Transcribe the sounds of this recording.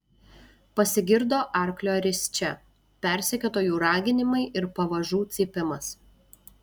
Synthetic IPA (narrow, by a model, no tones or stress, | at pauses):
pɐsʲɪɡʲɪɾd̪oːʔɐˑɾklʲoːɾʲɪsʲt͡ʃʲɛ | pʲɛˑɾʲsʲɪɛkʲot̪oːjuːɾɑːɡʲɪnʲɪmɐɪʔɪɾpɐʋɐʒuːt̪sʲɪpʲɪmɐs